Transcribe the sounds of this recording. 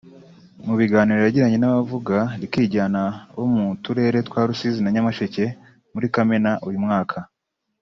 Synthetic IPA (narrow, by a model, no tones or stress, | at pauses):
muβiɡaːniɾeɾaɟiɾaɲe̞naβavuɡaɾikiːɟaːnaβomutuɾe̞ːɾe̞twaːɾusizinaɲamaʃece̞ | muɾikame̞naʔujumŋaːkʰa